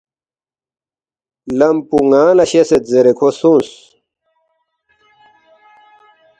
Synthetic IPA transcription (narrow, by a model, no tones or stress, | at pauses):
lɐmpuŋãːlɐɕeset̪zeɾekʰosũns